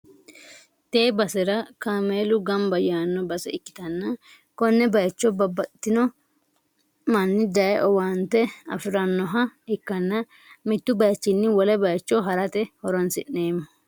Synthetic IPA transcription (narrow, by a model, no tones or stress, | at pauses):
t̪e̞ːbɐsɛɾɐkaːmeːlʊɡɐmbɐjaːnːɔbɐsɛɪkːɪ̥t̪ɐnːɐ | kɔnːɛbɐjt͡ʃːɔbɐbːɐt̪ːɪnɔ | mɐnːɪd̪ɐjʔɔwant̪ɛɐ̰fɪɾɐnːɔɦɐɪkːɐnːɐ | mɪt̪ːʊbɐjt͡ʃːɪnːɪwɔlɛbɐjt͡ʃːɔɦɐɾɐt̪ɛhɔɾɔnsɪneːmːɐ